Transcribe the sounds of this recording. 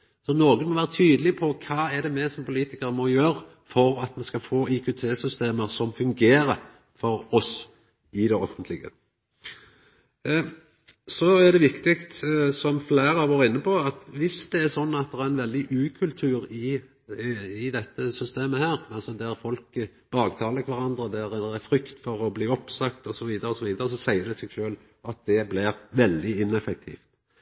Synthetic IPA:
sɔnoːɡənmɔʋæːʁət̪ʰyːd̪əlɪpʰɔkʰɑːæd̪ɛmɛsɔmpʊliːt̪ɪkəɾəmɔjøːɾə | fɔɾɑt̪mɛnskɑfoːɪkʉt̪ʰeːsʏst̪eːməɾsɔmfʉŋɡeːɾəɾ | fɔɾɔs | ɪd̪ɛɔfənt̪ʰlɪɡə̰ | sɔæd̪ɛʋɪkt̪ɪkt̪sɔmflæːɾəɑːʋoːɾɪnːəpɔɑt̪ʋɪsd̪ɛæsɔnːɑt̪̚d̪ɛɾɛɾɛnʋɛld̪ɪʔʉːkʰʉlt̪ʰʉːɾɪ | ɪd̪ɛt̪ːəsʏst̪eːməhæːɾɑlsɔd̪æʁfɔlk | b̥ɑːɡt̪ʰɑːləɪkʰʋæʁɑnd̪ɾəd̪æɾd̪ɛæfɾʏkt̪fɔʁɔbliːɔpsɑkt̪ɔsɔʋiːd̪əɾəɔsɔʋiːd̪əɾəsɔsæɪəd̪ɛsɛɡʃøːl | ɑt̪̚d̪ɛblɪɾʋɛld̪ɪɪnɛfɛk̚t̪ʰḭːft̪

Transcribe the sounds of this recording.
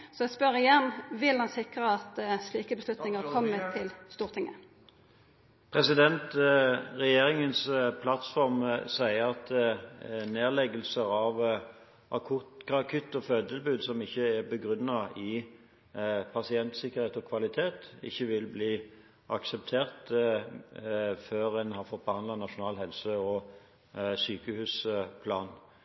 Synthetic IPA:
sɔɛspœʁɪjɛnːʋɪlhɑnsɪkɾəɑt̪sliːkəbəslʉt̪nɪŋəkʰɔmːət̪ʰːɪlst̪uːʁt̪ʰɪŋːə̰ | pʰʁɛsɪd̪ɛnt̪ʁɛjeːɾɪŋənspʰlɑt̪fɔʁmsæɪəɾɑt̪ | neːʁlɛɡəlsəɾɑʋ | ʔɑkʰʊt̪ɡʁɑkʰʏt̪ːɔføːd̪ɪlbʉːd̪sɔmɪçːəæʁbəɡɾʉnːɑɪ | pʰɑsɪɛnt̪sɪkəɾʁheːt̪ɔkʰʋɑlɪt̪ʰeːt̪ɪ̰çːəʋɪlbliː | ʔɑ̰ksɛp̚t̪ʰeːʁt̪ | føːʁɛnhɑɾfɔt̪̚bəhɑnd̪lɑnɑʂʊnɑːlɦɛlsəɔ | syːkəhʉːspʰlɑːn

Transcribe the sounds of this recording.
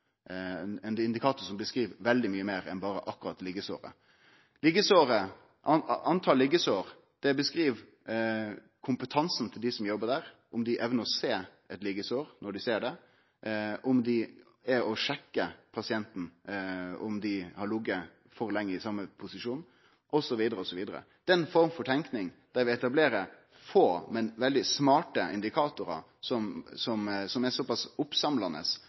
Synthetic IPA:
ɛnɪnd̪ɪkʰɑːt̪ʊsɔmbəskɾiːʋʋɛld̪ɪmyːəmeːɾɛ̰nbɑːɾəʔɑkːʊɾɑt̪lɪɡəso̰ːɾə̰ | lɪɡəsoːɾə | ʔɑɑnt̪ʰɑːlɪɡəsoːɾ | d̪̥ɛbəskɾiːʋ | kʰʊmpət̪ʰɑnsn̩t̪ʰɪld̪ɪsɔmjɔbːəd̪æːɾʔʊmd̪ɪʔɛʋnəɾɔseːʔɛt̪lɪɡəsoːɾnɔɖɪseːɖɛ | ʔɔmd̪ɪ | ɛɔʂɛkːəpʰɑsɪɛnt̪n̩ | ʊmd̪ɪhɑɾɭʊɡə | fɔɾlɛŋːəɪsɑmːəpʰʊsɪʂuːn | ʔɔsɔʋiːd̪əɾəɔsɔʋiːd̪əɾə̰ | d̪̥ɛnfɔɾmfɔʈ̪ʰɛŋknɪŋd̪̥æɾʋɪɛt̪ɑbleːɾə | foːmɛnʋɛld̪ɪsmɑːʈəʔɪ̰nd̪ɪkʰɑːt̪ʊɾɑ̰ | sɔmsɔmsɔmæsɔpɑsʊpsɑmlɑnə̰s

